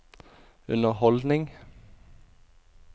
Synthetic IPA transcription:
ʉ̰nəhɔld̪nɪŋ

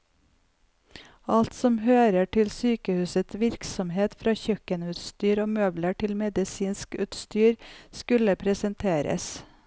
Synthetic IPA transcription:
ɑlt̪sɔmhøːɾəʈɪlsyːkəhʉːsət̪ʋɪɾksɔmheːt̪fɾɑːçœkənʉːt̪st̪yːɾoːmœːbləʈɪlmɛd̪ɪsiːnskʉ̰ːt̪st̪yːɾskʉləpʰɾɛsənt̪ʰeːɾə̰s

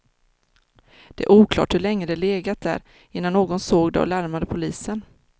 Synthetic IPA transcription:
d̪̥ɛæ̰ɾʔuːkʰlɑ̰ːʈhɵɭɛŋːəd̪ɛleːɡat̪̚d̪æ̰ɾ | ɪnːanːoːɡɔnsoːɡd̪ɛ̰ɔ̰laɾmad̪əpʰʊliːsən

